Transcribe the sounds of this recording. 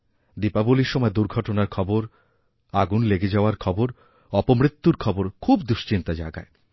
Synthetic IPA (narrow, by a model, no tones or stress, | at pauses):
ɖipaboliɾʃɔmɔed̪uɾɡʱɔʈonaɾkʰɔboɾ | aɡunleɡed͡ʑaoaɾkʰɔboɾ | ɔpomɾit̪ːuɾkʰɔboɾkʰubd̪uʃt͡ɕint̪ad͡ʑa̰eɡa̰e